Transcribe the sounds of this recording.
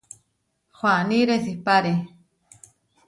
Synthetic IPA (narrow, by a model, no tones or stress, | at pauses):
xwaniɾesipaɾe